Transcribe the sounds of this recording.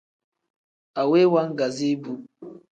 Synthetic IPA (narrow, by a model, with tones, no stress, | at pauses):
a˨we˦wa˦ŋ̩˦ɡa˨zi˦bu˦